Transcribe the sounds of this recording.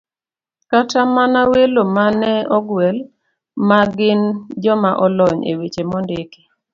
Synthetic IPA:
katamanawelomanɛɔɡwɛl | maɡɪnd͡ʒɔmaʔɔlɔɲḛwet͡ʃemɔndɪke̥

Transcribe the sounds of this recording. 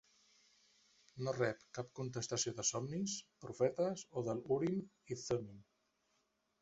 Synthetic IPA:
norɛpkap̚kunt̪̬əst̪asjoðəsɔmnispɾufɛt̪asoðəluɾin | iθomin

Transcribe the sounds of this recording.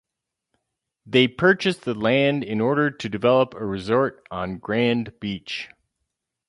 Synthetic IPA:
ðeɪpʰɜ˞t͡ʃɨsðəlæ̃ndɪ̃nɔɹɾə˞ɾɨdɨvɛlˠəpəɹɨzɔɹɾn̩ɡɹæ̃nb̥it͡ʃ

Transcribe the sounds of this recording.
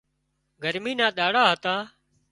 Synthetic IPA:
ɡəɾmiːnãːɗaːɽaːɦət̪ãː

